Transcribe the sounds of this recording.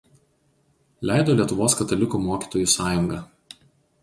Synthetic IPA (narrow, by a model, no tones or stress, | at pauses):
lʲæˑɪd̪oːlʲiɛt̪ʊʋoːskɐt̪ɐlʲɪkuːmoːkʲiːt̪oːjuˑsɑːjʊŋɡɑ